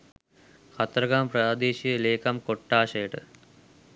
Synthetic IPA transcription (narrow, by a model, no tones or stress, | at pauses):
kʰɐt̪ɾɐɡaːmpɾaːd̪eːɕileːkɐmkoʈːaːʂeːʈɨ̰